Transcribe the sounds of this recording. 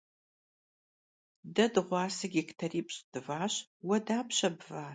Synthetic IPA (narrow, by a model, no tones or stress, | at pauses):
dɐdɨʁʷɑːsɨɡʲiktʰɐriːpʼɕʼd̥ɨvaːɕwɐdaːpɕɐbvaːr